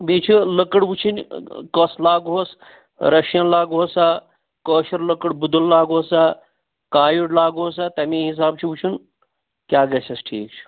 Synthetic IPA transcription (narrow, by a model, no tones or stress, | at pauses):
biːt͡ʃʰilɐkəɽʋut͡ʃʰinʲkɐslaːɡɦos | ɾɐʃjɐnlaːɡɦoːsa | kəːʃɐɾlɐkəɽbud̪ulːaːɡɦoːsaː | kaːjuɽlaːɡɦoːsat̪ɐmĩːɦis̬aːb̚t͡ʃʰiʋut͡ʃʰun | kʲjaːɡɐsɐsʈʰḭːk̚t͡ʃʰi̥